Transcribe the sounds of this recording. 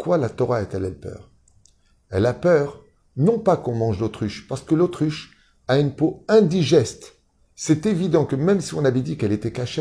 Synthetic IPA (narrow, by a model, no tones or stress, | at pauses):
kwalat̪ɔʁaɛt̪ɛlɛlpœ̰ːʁ | ɛlapœʁ | nɔ̃pakɔ̃mɑ̃ʒlot̪χyʃpaʁsə̥kəlot̪χyʃ | aynpoɛ̃d̪iʒɛst̪ | sɛt̪evid̪ɑ̃kəmɛmsiɔ̃navɛd̪ikɛlet̪ɛkaʃe